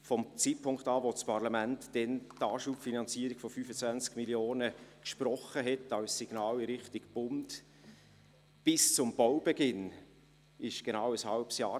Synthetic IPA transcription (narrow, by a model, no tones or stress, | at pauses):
fɔmt͡sit̚pʰʊŋktɑːʋot͡spʰɑɾlɑmæntd̥ɛntɑːʃuːpfinɑnt͡siːəɾiɡ̥fɔfyfət͡sʋænt͡skmiljoːnəkʃprɔχəɦɛtɑwssiɡ̥nɑːlɪɾɪχtiɡb̥ʊnd | b̥ɪst͡sʊmb̥ɔwbeɡɪn | ɪʃɡ̥enawəshɑlpsjɑː